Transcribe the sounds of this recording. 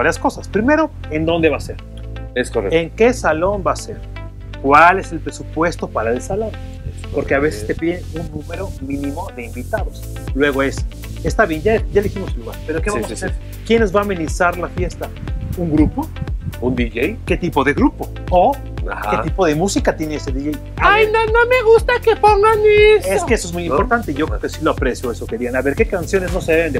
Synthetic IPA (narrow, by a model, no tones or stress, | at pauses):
baɾjasko̞saspɾime̞ɾo̞e̞nd̪o̞nd̪e̞βase̞ɾ | esoreŋke̞salo̞mbase̞ɾ | kwale̞se̞lpɾe̞supwe̞st̪o̞paɾaelsalo̞n | espo̞ɾkeaβe̞se̞st̪e̞piðeunːũme̞ɾo̞mĩnĩmo̞ðeimbit̪aðo̞s | lwe̞ɣ̞o̞e̞s | est̪aβje̞nɟaɟ͡ʝaliximo̞seluɣa̰ɾpeɾokeβamosaseɾ | kjenezβaːmẽnisaɾlafje̞st̪auŋɡɾupo̞und̪iʝejke̞t̪ipo̞ðe̞ɣɾupo̞ | o | a̰haeipo̞ðe̞musikat̪je̞neeseðiʝej | ajnonomeɣust̪akepoŋɡaneseskeesoezmujimpo̞ɾt̪ant̪e̞iʝokɾekesiloapɾesjo̞esoke̞ɾianaβe̞ɾke̞kansjo̞ne̞zno̞seβeend̪e